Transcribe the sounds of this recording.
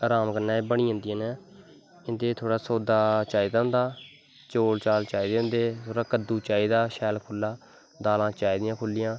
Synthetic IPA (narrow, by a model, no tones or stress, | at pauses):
əɾaːmkənːãːeːbəɳĩːɦə̃nd̪ɪjãːnɛ̃ː | ɪnd̪eːt̪ʰoːɽaːsoːd̪aːt͡ʃaːiːd̪aʊ̃nd̪aː | t͡ʃoːlt͡ʃaːlt͡ʃaːiːd̪eːʊ̃nd̪eːt̪ʰoːɽaːkəd̪uːt͡ʃaːiːd̪aːʃɛːlkʰʊlːaː | d̪aːlãːt͡ʃaːiːd̪ɪjãːkʰʊlːɪjãː